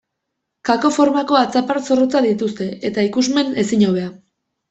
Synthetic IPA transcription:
kako̞fo̞ɾmako̞at͡sapaɾso̞rot͡saðit̪ust̪e̞et̪aikuzme̞ne̞siɲawβ̞e̞a

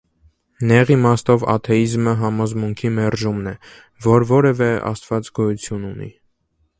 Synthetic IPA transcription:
nɛʁimɑst̪ɔvɑ̰t̪ʰɛizməɦɑmɔzmuŋkʰimɛɾʒumnɛ | vɔɾvɔɾɛvɛɑ̰st̪vɑt͡sɡɔjut͡sʰjununḭ

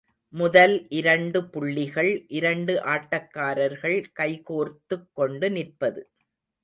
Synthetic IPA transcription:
mʊðɐlʔɪɾɐɳɖɯpʊɭːɪɣɐɭʔɪɾɐɳɖɯʔaːʈːɐkːaːɾɐɾɣɐɭkɐɪkoːɾt̪ːɯkːɔɳɖɯnɪrpɐðɯ

